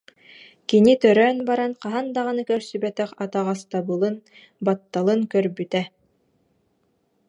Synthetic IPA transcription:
kinit̪œɾœːnbɑɾɑnqɑɦɑnd̪ɑʁɤ̆nɯkœɾsybæt̪æqɑt̪ɑʁɑst̪ɑbɯlˠɯn | bɑt̪ːɑlˠɯŋkœɾbyt̪æ

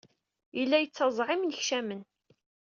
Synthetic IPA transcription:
əlːæjət͡sːɑzˤʕɪmnəçʃæmən

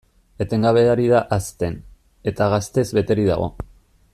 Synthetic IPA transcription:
e̞t̪e̞ŋɡaβe̞aɾiðaʔast̪e̞n | e̞t̪aɣast̪e̞zβe̞t̪e̞ɾiða̰ɣ̞o̞̰

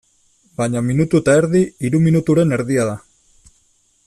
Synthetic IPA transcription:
baɲaminut̪uet̪aeɾðiiɾuminut̪uɾe̞ne̞ɾðiaða

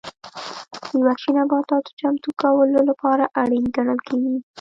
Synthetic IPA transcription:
əwakʃinabɑt̪ɑt̪o̥t͡ʃamt̪ukawəlolapɑɾaʔaɽinɡaɳəlkeɡi

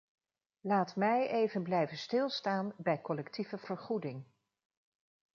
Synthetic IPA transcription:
laːtmɛjʔejvənblɛjvənstɪlˠstaːnbɛjkɔlɛktivəv̥əɹχudɪŋ

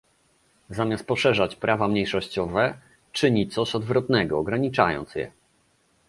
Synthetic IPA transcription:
zamʲjast̪̚pɔʂɛʐat͡ɕpɾʔavamɲejʂɔɕt͡ɕɔvɛ | t͡ʂɘɲit̪sɔɕɔd̪vɾɔt̪nɛɡɔːɡɾaɲit͡ʂa̰jɔ̰nt̪sjɛ̰

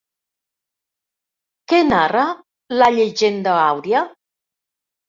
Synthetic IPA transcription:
kenarə | laʎeʒend̪əawɾja

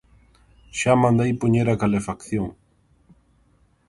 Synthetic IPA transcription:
ʃamãnd̪ejpoɲeɾakalefakθjoŋ

